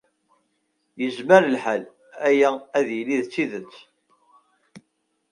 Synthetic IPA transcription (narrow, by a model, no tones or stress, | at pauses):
jəzməɾəlħal | æjææðjəlːiðt͡sːiðət͡sː